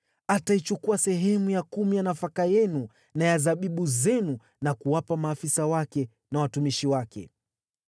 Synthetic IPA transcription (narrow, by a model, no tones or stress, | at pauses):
atait͡ʃukuasɛɦɛmujakumijanafakajɛnu | najazaɓiɓuzɛnu | nakuwapamaːfisawakɛ | nawatumiʃiwakɛ̰